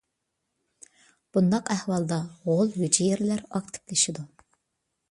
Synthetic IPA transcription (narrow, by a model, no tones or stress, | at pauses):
b̥und̪ɑqæhwɑlˠd̪ɑʁolˠhyd͡ʒijeɾlæɾɑkt̪ʰɪ̥plɪʃɪd̪u